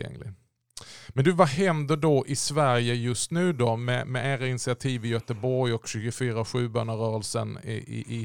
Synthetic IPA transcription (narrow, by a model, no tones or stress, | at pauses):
ɛ̰ŋlɪ̰ | mɛnd̪ɵvahɛnd̪əɖɔʔɪsvæɾjəjɵst̪nʉ̟ːd̪ɔmɛ̰mɛʔæːɾaɪnɪsɪat̪ʰiːvɪjœːt̪əbɔɾjɔkɕʉ̟ːɡʊfyːɾaɧʉ̟ːbœːnəɾœːɾəlsə̰n̰ɪ̰ʔɪ